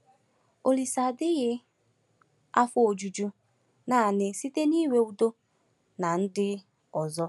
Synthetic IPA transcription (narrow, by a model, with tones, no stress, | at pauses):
o˨li˨sa˨dɪ˦ɣɪ˦ | a˦fʊ˦o˨d͡ʒu˨d͡ʒu˦ | na˨nɪ˨si˦te˦ni˦we˦u˨do˦ | na˨n̩˦dɪ˦ | ɔ˨zɔ˦